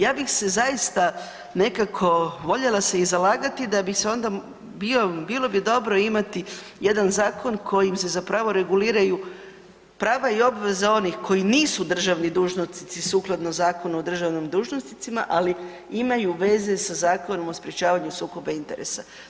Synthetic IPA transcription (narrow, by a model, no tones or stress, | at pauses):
jaːbixse̞zajist̪a | ne̞kakʰo̞ʋo̞ʎe̞laseizalaːɡat̪id̪abixseo̞nd̪a | biobiːlˠo̞bid̪o̞bɾo̞imat̪i | je̞d̪anzaːkʰo̞nkʰo̞jimse̞zapɾaːʋo̞ɾe̞ɡuliːɾaju | pɾaːʋaio̞bʋe̞zao̞nixkʰo̞jiniːsud̪r̩ʒaʋnid̪uːʒnost̪it̪sisuːklˠad̪nozaːko̞nuod̪r̩ʒaʋnimd̪uːʒnost̪i̥t̪sima̰ʔali | imajuʋe̞ze̞sazaːko̞no̞mospɾje̞t͡ɕaːʋaɲusuːko̞baint̪e̞̰ɾḛsa